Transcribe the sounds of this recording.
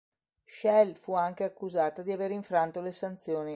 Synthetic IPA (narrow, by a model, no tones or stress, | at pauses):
ʃɛlfuaŋk̟eakːuzaːt̪ad̪iaveːɾiɱfɾant̪olesant̪sjoːni